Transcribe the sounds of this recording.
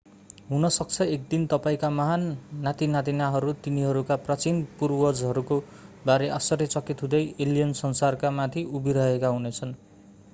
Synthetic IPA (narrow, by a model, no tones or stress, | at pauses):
ɦunʌsʌk̚t͡sʰʌek̚d̪int̪ʌpaĩkamʌɦanːat̪inat̪inaɦʌɾut̪iniɦʌɾukaprʌt͡sinpurwʌd͡zɦʌɾuko | baɾeʔʌsʌɾet͡sʌkit̪ɦũd̪ʌjʔelijʌnsʌnsarkamat̪ʰiubiɾʌɦekaɦunet͡sʰʌn